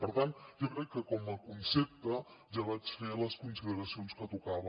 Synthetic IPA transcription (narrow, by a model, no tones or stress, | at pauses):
pəɾt̪ant̪d͡ʒokɾɛkːəkɔmɐkunsep̚t̪ə | d͡ʒəɣasɾeələskunsiðəɾɐsionskət̪ukaβə